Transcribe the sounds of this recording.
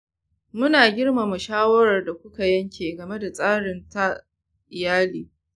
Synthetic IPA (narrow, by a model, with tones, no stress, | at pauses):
mʊ˦naː˨ɡʲɪ˦rma˨mu˨ʃaː˦wɐ˦ɾɐ˨rda˨kʷʊ˦ka˨jɐ˦ŋkʲʰeː˨ɡɐ˨me˦da˨sʼaː˦ɽɪ˨nta˦ | ʔɪ˨jaː˦liː˨